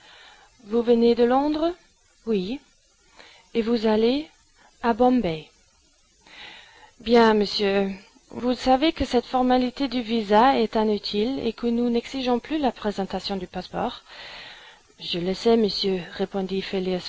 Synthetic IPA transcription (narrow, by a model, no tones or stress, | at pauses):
vuvəned̪əlɔ̃d̪ʁə | wi | evuzale | abɔ̃mbɛ | bjɛ̃məsjø | vusavekəsɛt̪fɔʁmalit̪ed̪yvizaɛt̪ɛ̃nyt̪ʰilḛkənunɛksiʒɔ̃plylapχezɑ̃t̪asjɔ̃d̪ypaspɔːʁ | ʒələsɛməsjøʁepɔ̃d̪ifelis